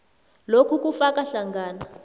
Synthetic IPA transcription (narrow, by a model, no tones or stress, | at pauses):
lokʰuk̬ʼufakʼaɬaŋɡʱaːna